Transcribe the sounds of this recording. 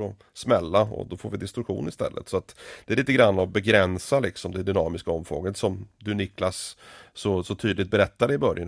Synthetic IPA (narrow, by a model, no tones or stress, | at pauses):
ɔ | smɛlːaɔ̰d̪ɔfoːɾvɪd̪ɪst̪ɾɵkɧṵːnɪst̪ɛ̰lːʔə̰t̪sɔat̪d̪̥ɛæɾɭiːt̪əɡɾanːɔbɛɡɾɛnsalɪksɔmd̪ɛd̪ʏnɑːmɪskaɔmːfɾo̰ːɡəət̪sɔmd̪ɵnɪkːlasːɔsɔt̪ʰyːd̪lɪt̪̚bɛɾɛt̪ːad̪ɛɪbœɾjan